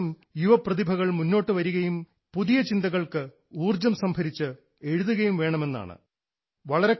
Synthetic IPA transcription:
m | juʋɐprɐðibʱɐɣɐɭmunːo̞ːʈːɨʋɐɾuɣɐjum | puðijɐt͡ɕind̪ɐɣɐɭkɨ | uːrd͡ʑɐmsɐmbʱɐɾit͡ɕːɨ | e̞ɻuðuɣɐjumʋe̞ːɳɐme̞nːa̰ːɳɨ̰ | ʋɐɭɐɾe̞

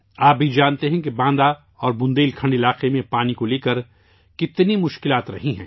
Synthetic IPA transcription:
aːp̚bʱid͡ʒaːnt̪eɦɛ̃kebãːnd̪a | ɔːɾbʊ̃nd̪eːlkʰɐ̃ɳɖɪlaːqemẽpaːnikoleːkəɾ | kɪt̪nimʊʃkɪlaːt̪ɾɐɦĩɦɛ̰̃ː

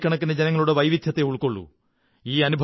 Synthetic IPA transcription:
kʲːɐɳɐk̬ːined͡ʑenɐŋːɐɭuɽeʋɐjʋid̪ʱjɐt̪ːe̞uɭkoɭːṵ | iːɐnubʱ

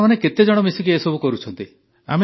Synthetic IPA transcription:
maneket̪ed͡ʒɔɽ̃ɔmisikiesɔbukɔɾut͡ʃʰɔnt̪i | a̰me

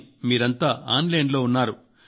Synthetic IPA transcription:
miːɾɐnt̪aːʔaːnlɐjɳɖlo̞ːunːaːɾu

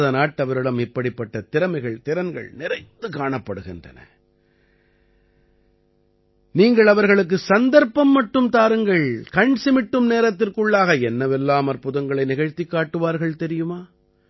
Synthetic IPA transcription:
ðɐnaːʈːɐʋɐɾɯɽɐmɪpːɐɽɪpːɐʈːɐt̪ɪɾɐmɐɪɣɐɭt̪ɪɾɐnɡɐ̰ɭnɪrɐɪt̪ːɯkaːɳɐpːɐɽɯɣɪndrɐ̰nɐ̰ | niːŋɡɐɭɐʋɐɾɣɐɭɯk̬ːɯsɐnd̪ɐɾpːɐmːɐʈːɯmt̪aːɾɯŋɡɐɭkɐɳsɪmɪʈːɯmneːɾɐt̪ːɪrkɯɭːaːɣɐɛnːɐʋɛlːaːmɐɾpːʊðɐŋɡɐɭɐɪnɪɣɐɻt̪ːɪkːaːʈːɯʋaːɾɣɐɭt̪ɛɾɪjɯmaː

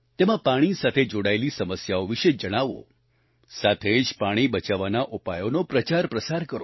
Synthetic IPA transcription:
t̪emãpaɽ̃isat̪ʰed͡ʒoɽaelisəməsjaoʋiʃed͡ʒəɽ̃aʋo̰ | sat̪ʰed͡ʒpaɽ̃ibət͡ʃaʋanaʔupajonopɾət͡ʃaɾpɾəsaɾkəɾo

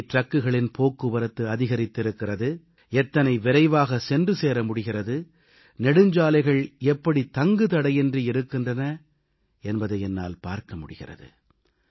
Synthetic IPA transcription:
ʈrɐkːɯɣɐɭɪnpoːkːɯʋɐɾɯt̪ːɯɐðɪɣɐɾɪt̪ːɪɾɯkːɪrɐðɯ | ɛt̪ːɐnɐɪʋɪɾɐɪʋaːɣɐsɛndrɯseːɾɐmʊɽɪɣɪrɐðɯ | nɛɽɯɲd͡ʒaːlɐɪɣɐɭɛpːɐɽit̪ɐŋɡɯt̪ɐɽɐɪjɛndriɪɾɯkːɪndrɐnɐ | ɛnbɐðɐɛnːa̰ːlpa̰ːɾkɐmʊɽɪɣɪ̰rɐ̰ðɯ̰

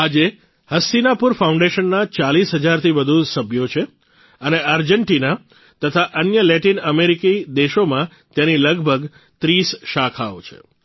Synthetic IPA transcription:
ad͡ʒe | həsinapuɾfaũɳɖeʃənːat͡ʃalisɦəd͡ʒaɾt̪ʰiʋəd̪ʱusəbʱjot͡ʃʰe | əneaɾd͡ʒəɳʈina | t̪ət̪ʰaʔənjəlɛʈinəmeɾikid̪eʃomã | t̪janiləɡbʱəɡ | t̪ɾisʃakʰao̰t͡ʃʰḛ

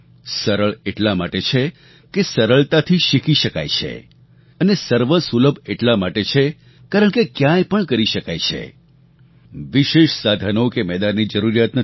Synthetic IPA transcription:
səɾəɭeʈlamaʈet͡ʃʰe | kesəɾəɭt̪at̪ʰiʃikiʃəka̰jt͡ʃʰḛ | ənesəɾʋəsuləbʱeʈlamaʈet͡ʃʰe | kaɾəɳkekjãjpəɳkəɾiʃəkajt͡ʃʰḛ | ʋiʃeʃsad̪ʱənokemɛd̪anːid͡ʒəɾuɾjat̪nə

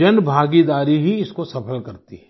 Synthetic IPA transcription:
ɐnbʱaːɡid̪aːɾiɦiɪskosɐpʰəlkɐɾt̪ḭɦɛ

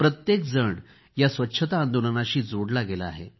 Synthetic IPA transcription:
pɾət̪jek̚d͡zəɳ | jasʋətːɕʰət̪aːnd̪onənaɕiːd͡zoɽlaɡelaa̰ɦḛ

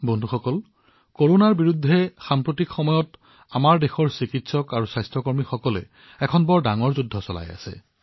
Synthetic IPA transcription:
bɔndʱuxɔkɔl | koɹonaɹbiɹudʱːɛxampɹotikxɔmɔjɔt | amaɹdexɔɹsikitsɔkaɹusajstɹɔkɔɹmixɔkɔlɛ̰ | ɛkʰɔnbɔɹdaŋɔɹzudʱːɔsɔla̰ja̰sɛ̰

